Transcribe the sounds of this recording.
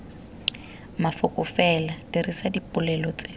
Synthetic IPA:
mafʊkʼʊfɛlatirisadipʼʊlɛlɔt͡sʼe

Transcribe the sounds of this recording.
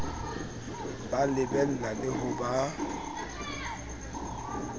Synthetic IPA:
balebɛlladeɦobaː

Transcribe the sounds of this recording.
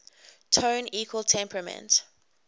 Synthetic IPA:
tʰõʊ̃niːkʰwəlˠtʰɛ̃mpʰɹəmɛ̰̃nt

